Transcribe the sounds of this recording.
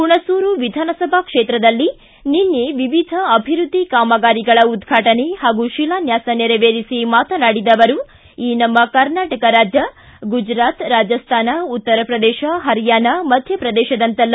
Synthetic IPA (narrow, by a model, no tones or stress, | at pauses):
puɳɐsuːɾuʋid̪ʱaːnɐsɐbʱɐkʂeːt̪ɾɐd̪ɐlːi | ninːeʋiʋid̪ʱɐɐbʱiɾud̪ʱːikaːmɐɡaːɾiɡɐɭɐud̪ɡʱaːʈɐnehaːɡuʃilaːnjaːsɐneɾɐʋeːɾisimaːt̪ɐnaːɽid̪ɐʋɐɾu | iːnɐmːɐkɐɾnaːʈɐkɐɾaːd͡ʒjɐ | ɡud͡ʒɾaːt̪ɾaːd͡ʒɐst̪ʰaːnɐut̪ːɐɾɐpɾɐd̪ɛːʃɐɦɐɾijaːnɐmɐd̪ʱjɐpɾɐd̪ɛːʃɐd̪ɐnt̪ɐl